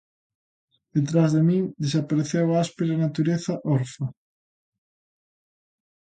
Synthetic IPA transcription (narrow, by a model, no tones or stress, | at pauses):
ðet̪ɾazðemiŋd̪esapaɾeθewaaspeɾnat̪uɾeθɐʔɔɾfɐ